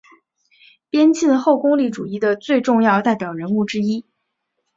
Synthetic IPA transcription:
pjɛ˥nt͡ɕi˥˧nxo˥˩ʊkʊ˥ŋli˥˩ʈ͡ʂu˨˩i˥˩d̪ə˩t͡swe˥˧ɪʈ͡ʂʊ˥˧ŋjɑ˥˧ʊt̪a˥˩ɪpjɑ˨˩ʊɻə˧˥nu˥˩ʈ͡ʂɻ̩˥i˥

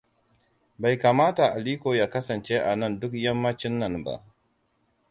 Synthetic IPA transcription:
ba˨jka˨maː˦ta˨ʔa˨liː˦koː˨ja˨kɐ˦sɐ˨nt͡ʃe˦ʔa˨nɐ˦˨ndʊ˦kjɐ˦mːɐ˦t͡ʃɪ˦nːɐ˨nba̰˦˨ʔ

